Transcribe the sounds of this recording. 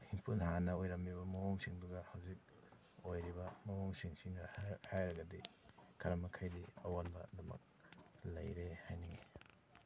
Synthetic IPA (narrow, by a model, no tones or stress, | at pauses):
hiŋpʰunhanɐojɾɐmːiβɐmɐwoŋsiŋduɡɐhɐwzik̚ | ojɾibɐmɐwoŋsiŋsiŋɐhajɾɐɡɐdikʰɐɾɐmɐkʰajdiɐwanbɐ̰dɐmɐ̰k̚lɐ̰jɾehajnɐɡi